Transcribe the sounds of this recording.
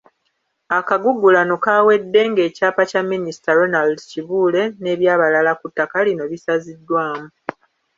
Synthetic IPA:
akaɡuɡulano̞kaːwe̞dːe̞ŋɡe̞ːcaːpacamːinisi̥taɾo̞naldciβuːle̞ne̞ːβjaːβalalakutːakalino̞βisazidːwaːmu

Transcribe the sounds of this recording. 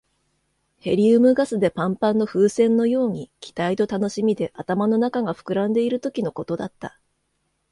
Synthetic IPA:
he̞ɾʲiɯmɯ̟ɡasɨd̪e̞pãmpãnːo̞ɸɯːsẽ̞nːo̞jo̞ːɲ̟ikʲi̥t̪ait̪o̞t̪ano̞ɕimʲid̪e̞ʔat̪amano̞nakaɡaɸɯ̟̥kɯ̟ɾãnd̪e̞iɾɯ̟t̪o̞kʲino̞ko̞t̪o̞d̪at̪ːa

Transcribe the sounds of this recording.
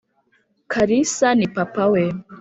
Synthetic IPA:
kʰaɾisanipapawe

